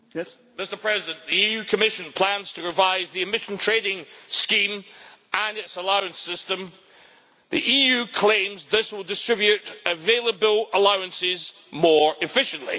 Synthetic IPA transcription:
mɪstə˞pʰɹ̥ɛzɪdə̃nʔðiijʉkʰəmɪʃə̃npʰl̥ãnz̥tʰəɹɪvaɪzðiɨmɪʃə̃ntʰɹ̥edɪ̃ŋskĩmʔə̃nɪtsəlˠaʊə̃nsɪstə̃m | ðiʔijʉkʰl̥ẽmzðɪswɪlˠdɪstɹ̥ɪbjʉʔəvelˠəbəlˠəlˠaʊə̃nsɪz | mɔɹɪfɪʃə̃nʔlˠḭ

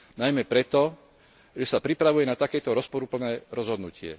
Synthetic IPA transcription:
najmɛpɾɛt̪ɔ | ʒɛsapɾipɾaʋujɛnat̪akɛːt̪ɔɾɔspɔɾupl̩nɛːɾɔzɦɔd̪nucɪɛ̰

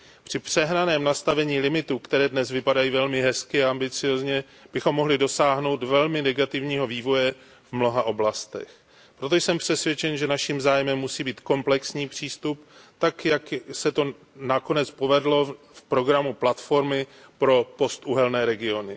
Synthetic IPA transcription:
pr̝̥ɪpr̥ɛɦnanɛːmnast̪avɛɲiːlɪmɪt̪ukt̪ɛɾɛːdnɛzvɪpadajiːvɛlmɪɦɛskɪaambɪt͡sɪjo̞ːzɲɛ | b̥ɪxo̞mːo̞ɦlɪdo̞saːɦno̞wt̪vɛlmɪnɛɡat̪ɪvɲiːɦo̞viːvo̞jɛ | vmno̞ɦaʔo̞blast̪ɛ̰x | pɾot̪̬o̞jsɛmpr̝̥ɛsvjɛt͡ʃɛnʒɛnaʃimzaːjmɛmːusiːbiːt̪ko̞mplɛksɲiːpr̝̥iːst̪upt̪akjaksɛt̪o̞ | nako̞nɛt͡spo̞vɛdlo̞ | fpɾo̞ɡɾamuplat̪fo̞ɾmɪpɾo̞po̞st̪ʔuɦɛlnɛːɾɛɡɪo̞nɪ

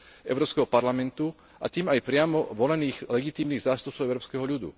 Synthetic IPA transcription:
ʔɛ̰ʊɾɔːpskɛɦɔpaɾlamɛnt̪u | ʔa̰t̪iːmajpɾɪamɔʋɔlɛniːɣlɛɡit̪iːmniːɣzaːst̪up̚t͡sɔʊɛʊɾɔːpskɛɦɔʎud̪ṵ

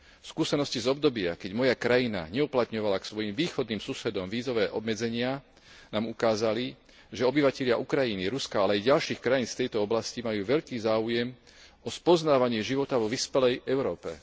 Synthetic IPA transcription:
fskuːsɛnɔscizɔb̚d̪ɔbɪa̰kɛɟmɔjakɾajina̰ɲɛuplat̪ɲɔʋalaksʋɔjimʋiːxɔd̪niːmsusɛd̪ɔmʋiːzɔʋɛːʔɔbmɛd͡zɛɲɪa | naːmukaːzali | ʒɛɔbiʋacɛʎɪaʔukɾajiniɾuskaalɛajɟalʃiːxkɾajiːnsft̪ɛjt̪ɔɔblascimajuːʋɛʎkiːzaːujɛm | ɔspɔznaːʋaɲɪɛʒiʋɔt̪aʋɔʋispɛlɛjʔɛʊɾɔːpɛ̰

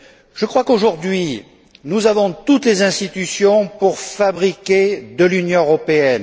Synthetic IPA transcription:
ʒ̥əkχwakoʒuʁd̪ɥi | nuzavɔ̃t̪ut̪lezɛ̃st̪it̪ysjɔ̃puʁfabʁikʲed̪əlynjɔ̃øʁɔpeɛn

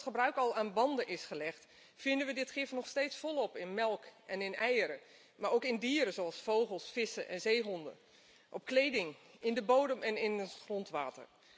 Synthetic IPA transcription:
χəbrœɥkɑlˠaːnbɑndənʔɪsχəlɛχt | fɪndənʋədɪtχɪfnɔχstejtsfɔlˠɔpɪnmɛlˠkʔɛnɪnɛjəɾə | maɹowkɪndiːəɾəzoɑlˠsfowχəlˠsfɪsəʔɛ̰nzejɦɔndə̰ | ʔɔpklejdɪŋɪndəbowdəmɛnɪnətχrɔntʋa̰ːtə̰r

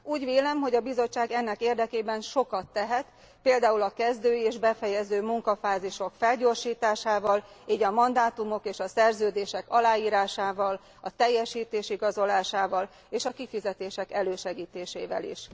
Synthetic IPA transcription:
uːɟveːlɛmɦo̞ɟɒbizo̞t͡ʃːaːɡɛnːɛkeːrd̪ɛkeːbɛnʃo̞kɒt̪ːɛɦɛt̪ | peːld̪aːulɒkɛzd̪øːeːʒbɛfɛjɛzøːmuŋkɒfaːziʃo̞kfɛlɟoːrʃiːt̪aːʃaːvɒliːɟɒmɒnd̪aːt̪umo̞keːʃɒsɛrzøːd̪eːʃɛkɒlaːjiːɾaːʃaːvɒl | ɒt̪ɛjːɛʃiːt̪eːʃiɡɒzo̞laːʃaːvɒl | eːʃɒkifizɛt̪eːʃɛkɛløːʃɛɡiːt̪eːʃḛːvɛ̰lḭʃ

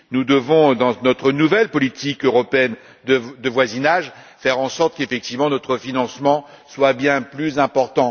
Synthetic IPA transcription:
nud̪əvɔ̃d̪ɑ̃nɔt̪χənuvɛlpɔlit̪ikøʁɔpeɛn | d̪əd̪əvwazinaʒ | fɛʁɑ̃sɔʁt̪kefɛk̚t̪ivmɑ̃nɔt̪χəfinɑ̃smɑ̃ | swabjɛ̃plyzɛ̃pɔʁt̪ɑ̃

